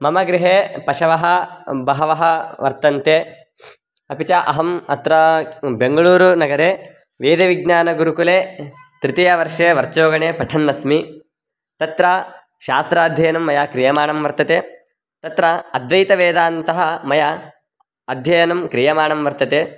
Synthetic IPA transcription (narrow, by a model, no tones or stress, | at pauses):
mɐmɐɡɾiɦeːpɐʃɐʋɐɦɐbɐɦɐʋɐɦɐ̆ʋɐɾt̪ɐnt̪eː | ɐpit͡ʃɐʔɐɦɐmɐt̪ɾɐbeŋɡɐɭuːɾunɐɡɐɾeː | ʋeːd̪eʋiɡ̚ɲaːnɐɡuɾukuleːt̪ɾit̪ijɐʋɐɾʂeːʋɐɾt͡ʃoːɡɐɳeːpɐʈʰɐnːɐsmi | t̪ɐt̪ɾɐ | ʃaːst̪ɾaːd̪ʱjɐjɐnɐmːɐjaːkɾijɐmaːɳɐmʋɐɾt̪ɐt̪eː | t̪ɐt̪ɾɐɐd̪ʋɐjt̪ɐʋeːd̪aːnt̪ɐɦɐ̆mɐjɐ | ɐd̪ʱjɐjɐnɐmkɾijɐmaːɳɐmʋɐɾt̪ɐt̪eː